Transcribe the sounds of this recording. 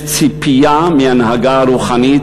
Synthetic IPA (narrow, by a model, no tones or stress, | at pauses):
t͡sipijamianhaɡaɾuχanit̪